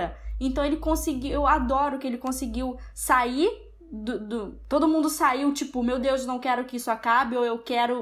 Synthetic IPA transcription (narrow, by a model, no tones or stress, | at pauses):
ɐẽnt̪ɐ̃w̃elɪkõsɪɡiwewad̪ɔɾʊkɪelɪkõsɪɡiwsaiɾ | d̪ʊd̪ʊt̪od̪ʊmũnd̪ʊsaiwt͡ʃipʊmewd̪ewznɐ̃w̃kɛɾʊkɪisʊakabɪowewkɛɾʊ